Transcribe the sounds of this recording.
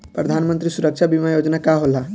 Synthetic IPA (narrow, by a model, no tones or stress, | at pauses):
pɾəd̪ʱanmə̃nt̪ɾisuɾəkʃʰabimajod͡ʒnakaɦola